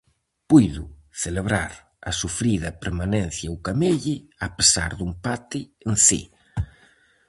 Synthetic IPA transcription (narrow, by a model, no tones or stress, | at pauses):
pujðʊθeleβɾaɾ | ɐ̰sufɾiðɐpeɾmanɛn̟θjɐukameʎɪapesa̰ɾðumpat̪ɪːnsḭ